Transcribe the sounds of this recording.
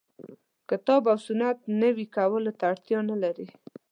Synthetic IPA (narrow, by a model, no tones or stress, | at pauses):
kɪt̪ɑbawsʊnad̪nəwikawəlot̪aːɽt̪jɑnalaɾi